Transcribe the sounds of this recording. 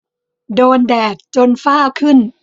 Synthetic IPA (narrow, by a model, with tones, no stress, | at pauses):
doː˧ndɛː˨˩k̚t͡ɕo˧nfaː˥˩wkʰɯ˥˩n